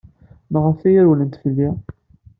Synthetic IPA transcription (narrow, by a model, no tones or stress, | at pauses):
məʁəfæjæɾwlənt̪fəlːi